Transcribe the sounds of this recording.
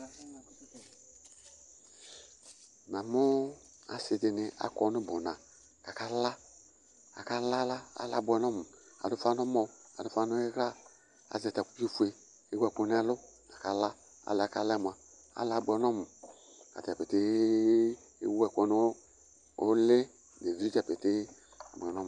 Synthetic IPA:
m˨a˨mʊ˦ | a˨sɪ˨dɪ˨nɪ˦a̰˨kɔ˨˦nʊ˦bʊ˨nã˨ | ka˨ka˦la˦ | a̰˨ka˦la˦la˦a̰˦la˦bʊ˦ɛ˨˦nɔ˦mʊ˨a̰˨dʊ˦fa˦nʊ˦mɔ˨˦a˨dʊ˦fa˦nʊ˦ɪ˦ɣa˦ | a̰˨zɛ˨ta˨ku˦o˦fu˨˦e˨ | e˦wu˦ɛ˨ko˨˦n˦a˦lʊ˦ka˨ka˨la˦ | a̰˨la˨ka˦lɛ˦m˨a˨ | a̰˦la˨˦bu˨˦ɛ˨nɔ˦mʊ˨ | ka̰˨ti˨a˨pe˨te˦ | ḛ˦wu˦ɛ˨kʷɔ˨˦n˦ | o˦le˦˨ | de˨vi˦ɾi˦d͡ʒa˨pe˨te˦˨ | bɛ˨nɔ˦m˨

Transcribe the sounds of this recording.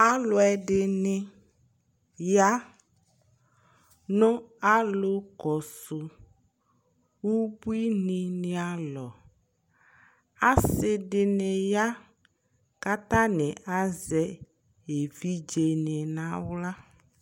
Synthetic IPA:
a˦lʊ˨ɛ˨ɖɪ˨nɪ̃˨ | ja˦ | nɔ̃˦a˦lo˦kɔ˨sʊ˨ | wu˦bu˦i˦nɪ̃˨nɪ̃˨a˨lɔ˨ | a˦ssɪ˨ɖɪ˨nɪ˨ja˦ | ka˦t̪a˦nɪ̃˨ʔa˦zɛ˦ | e˨vi˦d͡ʒe˨nɪ̃˨nã˦wla˦

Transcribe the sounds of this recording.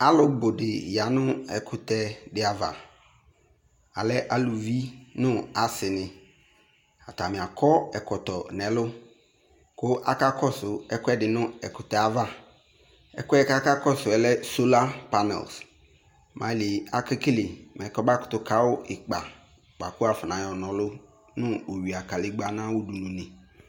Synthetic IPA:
a˦lʊ˦bʊ˨dɪ˨ja˨nʊ˦ɛ˨kʰʊ˨t̪ɛ˦dɪ˨˦a˨va̰˨ | a˨lɛ˦ʔa˨lʊ˨vi˦nʊ̃˦a˨sɪ˨nɪ˨ | a˨t̪a˨mɪ̃˨a˨kʰɔ˦ɛ˨kɔ˨t̪ɔ˨nɛ˨˦lʊ˦ | kʊ˦ʔa̰˦ka˦kʰɔ˦sʊ˨ɛ˦kʊ˦ɛ˦dɪ˨nʊ̃˦ɛ˨kʊ˨tɔ˨a˨va˦ | ɛ̰˦kʊ˦ɛ˦ka˦ka˦kɔ˦sʊ˨ɛ˨lɛ˦so˦la˦pa˦nɛ̰˨ls | mʔã̰˨li˨a˨kɪ˦ki˦lɪ˨m˨ɛ̃˨kɔ˦ba˦kʊ̥˨t̪ʊ˨kʰa˦wʊ˦ʔɪ˨k͡pa̰˨ | k͡pa˨kʊ˦a˨fʊ˨nã˨jɔ˨nɔ̃˨lʊ˦ | nʊ̃˦o˨ɥi˨a˨ka˨lɪ˦ɡ͡ba˦n˦ã˦wʊ˦du˨nʊ̃˨nɪ̃˨

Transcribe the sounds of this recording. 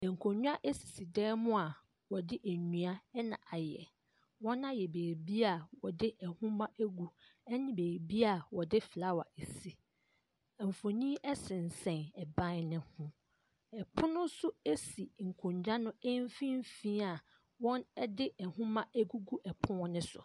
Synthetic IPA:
ɛ˨ŋ̩˨kʰõ˨ɲᶣ˦a˦ʔe˦si̥˨si˨dɛː˦mʊ̃˦a˨ | wɔ˨dɪ˦ʔæ˨ɲũ˨a˦ɛ˦nã̰˨ʔa˨jɛ̰˨ | wɔ̃˦nã˦jɛ˨beː˨ɾbi˦a˨wɔ˨dɪ˦ʔɛ˨hʊ̃˦mã˦ʔæ˦ɡu˨ɛ˦nɪ̃˦beː˨ɾbi˦a˨wɔ˨dɪ˦fla˦wa̰˨ʔe˨si˦ | ɛ˨m˨fo˨nĩ˦ɛ˦sɪ̃˨n̩˨sɛ̃˨nɛ˨bã˦nɪ̃˦hʊ̃˦ | ɛ˨pʰʊ̃˦nʊ̃˦sʊ˦e˦si˨ŋ̩˨kʰʊ̃˨ɲd͡ʑᶣa˦nʊ̃˦e˦m˦fĩ˦m˦fĩː˦a˨ | wɔ̃˦nɛ˦dɪ˦ʔɛ˨hʊ̃˦mã˦ʔæ˦ɡu˦ɡu˦ʔɛ˨pʰʊ̃˦ɔ̃˦nɪ̃˦sʊ̰˨

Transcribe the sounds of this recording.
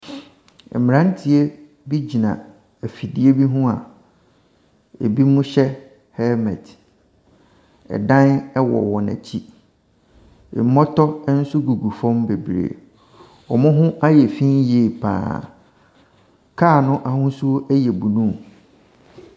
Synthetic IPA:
ɛ̰˨m˨ɾã˦n˦tʰi˨e˦ | bi˦d͡ʑi˨nã̰˨ | æ˨fi˨di˨e˦bi˦ɦʊ̃˦a̰˨ | ḛ˨bi˦mʊ̃˦ɕɛ˦ | hɛ˦mɛ̰̃˨t | ɛ̰˨dã˦nɛ˦wɔ̰˨wɔ˨næ̰̃˨t͡ɕʰi˦ | ɪ̰˨˦mɔ˦tʰɔ˦n̩˦sʊ˦ɡu˨ɡu˨fɔ̃˦mbe˨bɾḛ˨ | ɔ˨mʊ̃˦ɦʊ̃˦a˦jɛ˨fĩ˦n˦je˨pʰã̰ː˨ | kʰaː˦˨nʊ̃˦ʔa˨hʊ̃˦su˦o˦ʔɛ˦jɛ˨bu˨nũ˦m

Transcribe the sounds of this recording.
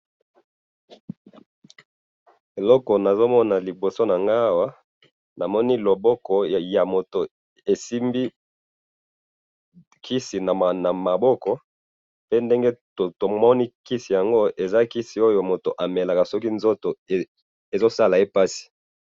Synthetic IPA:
e˨lɔ˦kɔ˨na˨zo˦mɔ˦na˨li˨bo˨so˦na˨ŋɡa˦a˦wa˦ | na˨mɔ˦ni˦lo˨bɔ˦kɔ˨ja˨mo˨to˨ | e˨si˦mbi˦ | kʰi˦si˨na˨na˨ma˨bɔ˦kɔ˨ | pe˦nde˦ŋɡe˦ | o˨to˨mɔ˦ni˦ki˦si˨ja˨ŋɡo˦ʔe˨za˦ki˦si˨o˦jo˨mo˨to˨ʔa˨me˨la˨ka˨sɔ˦ki˦nzo˦to˨ | e˨zo˦sa˦la˨e˦pa˦si̥˨

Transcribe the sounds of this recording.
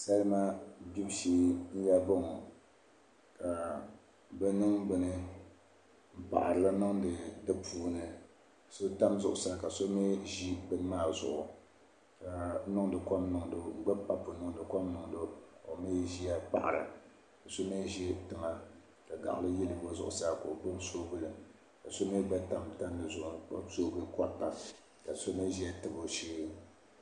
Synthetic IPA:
sa˦lma˦bi˦bʃeː˦n̩˦ja˦bɔ˦ŋɔ˨ | ka˨ | bɛ˦nɨ˦ŋɡ͡bɨ˨nɨ˦ | m̩˨pa̰˨ʔa˨ɾɨ˨la˦nʊ˦ŋdɨ˨dɨ˦pʰuː˨nɨ˨ | so˦ta˦mzʊ˦ʔʊ̰˨sa˦˨ka˨so˦me˦ʒi˦bɨ˦n˦maː˦˨zʊ̰˨ʔʊ˨ | ka˨nʊ˦ŋ˦dɨ˨ka˦mnʊ˨ŋdo˦ŋ͡m̩˦˨ɡ͡bɛ˦pa˦po˨nʊ˦ŋ˨dɨ˨kʷɔ˦mnʊ˨ŋdʊ˦ko˨me˦ʒi˦a˦k͡pa̰˦ʔa̰˨ɾa̰˨ | ka˨so˦ne˦ʒi˦tɨ˨ŋa˦ | ka˨ɡa̰˨ʔlɨ˦ji˦lɨ˨bo˦zʊ̰˦˨ʔʊ̰˨sa˦ka˨o˨bɨ˦lso˦bɨ˦lɨ˨ | ka˨so˦me˦ɡ͡bɛ˦ta˦mta˦nːɨ˨zʊ˦˨ʔʊ˨a̰˦soː˦˨˦ɡɨ˦ka˦tːa˨ | ka˨so˦ne˦ʒi˦a˦tɨ˨bo˨ʃeː˦

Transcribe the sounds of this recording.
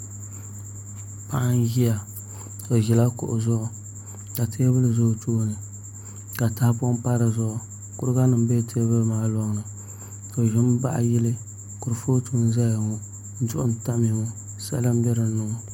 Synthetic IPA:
pa˦ʔa˦n˦ʒi˦ja˨ | o˨ʒi˨la˦kʊ̰˨ʔʊ˨zʊ˦ʔʊ˨ | ka˨tʰeː˦bɨ˦lɨ˨zʊ˦˨toː˦nɨ˨ | ka˨ta˦hpʊ˦pa˦ɾɨ˨zʊ˦ʔʊ˨ | kʊ˦ɾɡa˦nɨ˨m˦be˦tʰe˦bɨ˦lmaː˨lɔ˦ŋ˨nɨ˨ | ko˨ʒɪ˦m˦ba̰˦ʔji˦lɨ˦ | kʊ˨ɾɨ˨fo˦tuː˦n̩˦za˦ja˨ŋo˦ | n̩˦dʊ˦ʔʊ˦n˨ta˦mi˨ŋo˨ | sa̰˦lɨ˦m˦bɛ˦ɾɨ˨˦nʊ˨ŋo˨

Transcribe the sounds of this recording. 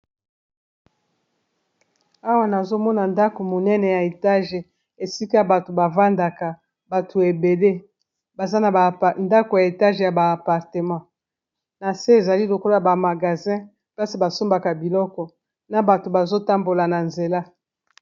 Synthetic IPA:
a˦wa˦na˨zo˦mɔ˦na˨nda˦ko˨mo˨nɛ˦nɛ˨ja˨e˨ta˦ʒe˨ | e˨si˦ka˦ba˨to˨ba˨va˦nda˨ka˨ | ba˨tʰo˨e˨be˨le˦ | ba˨za˦na˨a˨nda˦ko˨ja˨e˨ta˦ʒja˨baː˨pa˨ʁte˨mɑ̃˦ | na˨se˦e˨za˨li˦lo˨ko˦la˦ja˨ba˨ma˨ɡa˨zɛ̃˦ | pa˦si˨ba˨so˦mba˨ka˨bi˨lɔ˦kɔ˨ | na˨ba˨to˨ba˨zo˦ta˦mbo˨la˨na˨nze˨la˦

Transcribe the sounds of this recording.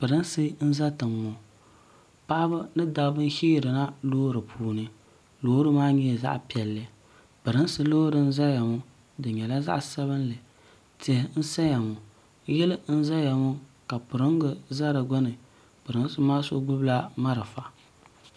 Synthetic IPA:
pɨ˨ɾɨ˦n˦sɨ˦n̩˦za˦tɨ˨ŋːo˨ | pa˦ʔbɨ˦nɨ˦da˨˦bɨ˦n̩˦hiː˦˨ɾɨ˨na˦loː˦ɾɨ˨pʰuː˨nɨ˦ | loː˦ɾɨ˦maː˦ɲɛ˦˨za̰˦ʔpi˨ɛ˨lːɨ˨ | pɨ˨ɾɨ˦n˦sɨ˦loː˦ɾɨ˨n̩˦za˦ja˨ŋʊ˦ | dɨ˨ɲɛ˨la˦za̰˦ʔsa˦βɨ˦n˦lɨ˨ | tɪ˨hɪ˨n̩˦sa˦ja˨ŋʊ˨ | jɛ˦lɨ˦n̩˦za˦ja˨ŋʊ˦ka˨pʊ˨ɾɨ˦ŋ˦ɡɨ˨za˦ɾɨ˨ɡʊ˦nɨ˨ | pɨ˨ɾɨ˦n˦sɨ˦maː˦so̰˦ɡʊ˦bla˦ma˦ɾɨ˨fa˨

